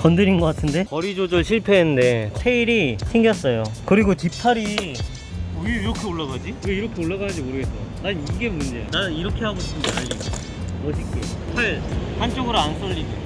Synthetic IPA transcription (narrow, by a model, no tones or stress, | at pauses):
kʌndɯɾinɡʌk͈atʰɯnde̞pʌɾid͡ʑod͡ʑʌɭɕʰiɭpʰeɦenːɯnde̞tʰeiɾisʰɯŋɡjʌs͈ʌjokɯɾiɡot͡ɕipʰaɾi | weiɾʌkʰe̞oɭːaɡad͡ʑiweiɾʌkʰe̞oɭːaɡaad͡ʑimoɾɯɡe̞s͈ʌnaniɡe̞mund͡ʑe̞naiɾʌkʰe̞haɡoɕʰi̥p͈ʰɯnd͡ʑaaɭːiɡo | ʌd͡ʑʰik͈epʰaɭhant͡ɕ͈oɡɯɾoans͈ʰʌʎːine